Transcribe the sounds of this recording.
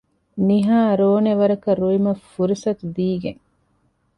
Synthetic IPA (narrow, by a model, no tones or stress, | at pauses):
niɦaːɾoːneʋɐɾɐkɐɾuimɐfuɾisɐt̪ud̪iːɡeŋ